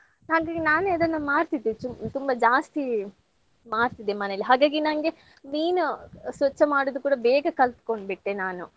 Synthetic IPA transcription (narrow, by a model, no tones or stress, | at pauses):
ɦaːɡaːɡinaːnuɐd̪ɐnːɐmaːɾt̪id̪et͡ʃut̪umbɐd͡ʒaːst̪i | maːɾt̪id̪ːemɐnelːiɦaːɡaːɡinɐŋɡe̞ | niːnusʋɐt͡ʃːɐmaːɽod̪ukuːɽɐbɛːɡɐkɐlt̪ko̞ɳɖbiʈːenaːnu